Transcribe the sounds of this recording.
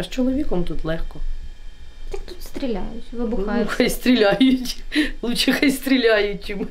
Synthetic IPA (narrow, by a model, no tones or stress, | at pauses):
ʃt͡ʃɔlˠɔʋʲikɔmt̪ut̪lˠɛxkɔ | j̪akt̪ut̪st̪ɾʲilʲa̰jʊtʲʋɪbʊxɐjst̪ɾʲilʲajʊtʲlˠut͡ʃɪxɐjst̪ɾʲilʲajʊt͡ʃʲɪm